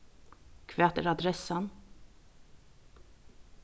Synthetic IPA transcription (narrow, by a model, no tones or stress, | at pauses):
kʰvɛːt̪əɾad̪ɾɛsan